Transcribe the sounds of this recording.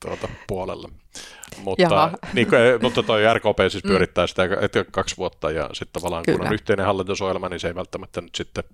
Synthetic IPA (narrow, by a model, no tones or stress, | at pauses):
t̪uot̪ɑpuolḛlːɑ | mutːɑniːkkuemut̪ːɑt̪oiærkoːpeːsispyøɾit̪ːæːsi̥t̪æḛt̪kækɑksʋuot̪ːɑjɑ̰sit̪t̪ɑʋɑlːˑɑːŋkkṵno̰nyht̪eˑinẽhɑlːit̪usojelmɑniseiʋælt̪ːæmæt̪ːænyt̪sit̪ːe